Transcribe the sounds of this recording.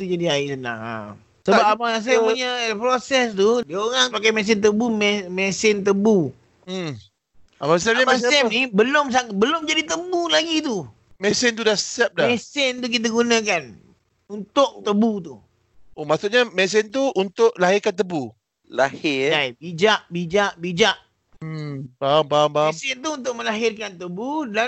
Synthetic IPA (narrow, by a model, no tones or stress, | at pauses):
t̪ud͡ʒadiaɪsəna̰ŋa̰ | səbap̚apaas̬ajpuɲapɾosɛst̪udioŋaŋpakajmɛs̬ɪnt̪̬əbumɛmɛsɪnt̪̬əbu | amasɛnimaɛnibəlʊms̬aŋ̚bəlʊmd͡ʒadit̪əbulaɡit̪u | mɛsɪnt̪̬udahsɛp̚daɛsɪnt̪uk̬it̪̬aɡunə̃k̬an | unt̪ʊʔ̚t̪əbut̪u | omaʔsuʔɲamɛs̬ɪnt̪̬uunt̪ʊʔlaɦɪrkant̪əbu | lahɪabid͡ʒaʔbid͡ʒaʔbid͡ʒaʔ | bambambasɪnt̪̬uunt̪ʊʔ̚mə̃laɦɪrkant̪əbuda